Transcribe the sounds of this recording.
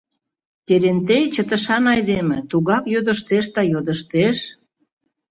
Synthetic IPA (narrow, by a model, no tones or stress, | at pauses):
t̪ʲeɾent̪ejt͡ɕət̪ə̆ʃɑnɑjd̪emĕt̪uɣɑkjod̪ə̆ʃt̪eʃd̪ɑjod̪ə̆ʃt̪eʃ